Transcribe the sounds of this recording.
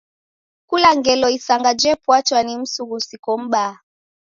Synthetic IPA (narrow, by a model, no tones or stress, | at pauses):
kulaŋɡɛlɔisaŋɡad͡ʒɛpwat͡ʃwanim̩suɣusikɔm̩ɓa